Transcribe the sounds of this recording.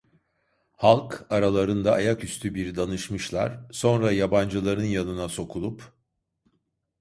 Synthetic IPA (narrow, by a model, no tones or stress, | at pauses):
halˠkaɾalˠaɾɯnd̪aːjakyst̪ʰybiɾd̪anɯʃmɯʃlˠa̰ɾ̥so̞nɾajaband͡ʒɯlˠaɾɯnjanɯnaso̞kʰulˠup